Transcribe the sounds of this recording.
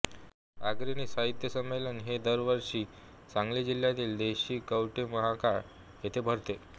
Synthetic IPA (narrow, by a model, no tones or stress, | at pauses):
aɡɾiniːsaɦit̪jəsəmːelənɦed̪əɾʋəɾʂiː | t͡sãŋɡlid͡ʑil̤jat̪iːld̪eɕiːkəwʈiməɦakaɽ | ɦet̪ʰebʱəɾt̪e